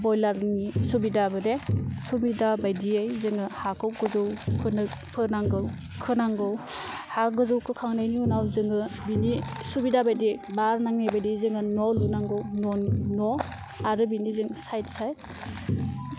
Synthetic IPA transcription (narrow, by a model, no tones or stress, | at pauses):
bɔjlaɾnisubidabɯdesubidabajdiajzɯŋɯhakʰɯwɡɯzɯwpʰɯnpʰɯnaŋɡɯw | kʰɯnaŋɡɯw | haɡɯzɯwkʰɯkʰaŋnajniunawzɯŋɯbinisubidabajdibaɾnaŋnabajdizɯŋɯnɔlunaŋɡɯwnɔnnɔ | aɾɯbinizɯŋsajtsaj